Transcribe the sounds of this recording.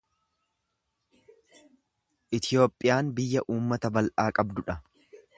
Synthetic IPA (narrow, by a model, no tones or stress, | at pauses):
ʔɪt̪ɪjo̞ːpʼːɪjaːnbɪjːɐʔuːmːɐt̪ɐbɐlʔaːkʼɐbd̪ʊᶑɐ